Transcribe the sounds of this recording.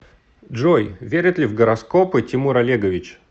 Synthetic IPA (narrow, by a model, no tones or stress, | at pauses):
dʐojvʲeɾʲɪt̪lʲɪvɡəɾɐskopɨtʲɪmuɾɐlʲeɡəvʲɪt͡ɕ